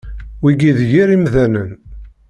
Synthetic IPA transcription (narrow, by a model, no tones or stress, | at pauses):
wiɡiðjiɾimðænən